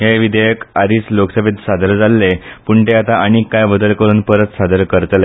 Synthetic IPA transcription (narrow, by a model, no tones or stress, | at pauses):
ɦeʋid̪ejəkad̪iːt͡sloksəbʱet̪sad̪əɾd͡zalːepuɳt̪eat̪aʔaɽ̃ikajbəd̪əlkəɾuːnpəɾət̪sad̪əɾkəɾt̪le